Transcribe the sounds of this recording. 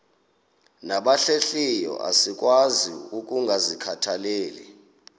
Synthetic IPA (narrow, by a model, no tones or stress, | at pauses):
naɓaɬeɬijɔ̰ʔa̰sik̬ʼwazḭuk̬ʼuŋɡʱazikʰatʰaleːlɛ